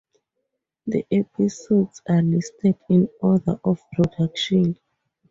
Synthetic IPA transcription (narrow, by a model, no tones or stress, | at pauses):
ðḭʔɛpʰisodsalistʰɛdĩnɔdə̰ʔɔfpɹɔdakʃɔ̃n